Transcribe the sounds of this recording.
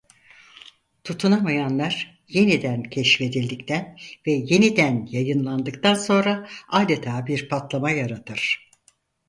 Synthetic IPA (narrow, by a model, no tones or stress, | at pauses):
t̪ʰut̪ʰunamajanlˠaɾ̥ | je̞nid̪æncʰɛʃfe̞d̪ilʲd̪ict̪ʰænvɛje̞nid̪ænjajɯnlˠand̪ɯkt̪ʰanso̞nɾaaːd̪et̪ʰaːbiɾpʰat̪lˠamajaɾat̪ʰɯɾ̥